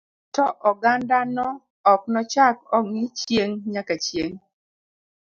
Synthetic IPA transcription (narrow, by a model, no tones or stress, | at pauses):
tɔʔɔɡandanɔ | ɔk̚nɔt͡ʃak̚ɔŋnɪt͡ʃjeŋɲakat͡ʃjeŋ